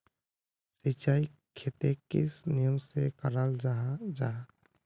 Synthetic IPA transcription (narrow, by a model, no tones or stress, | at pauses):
sit͡ʃaːikʰet̪ekɪsnɪjəmsekəɾald͡ʒad͡ʒaː